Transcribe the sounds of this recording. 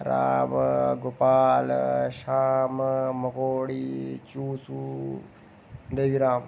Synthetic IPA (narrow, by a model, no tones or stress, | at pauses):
ɾa̰ːmɡopaːlʃaːmmɐkoːɽiːt͡ʃuːsu | nd̪ɐʋiɾaːm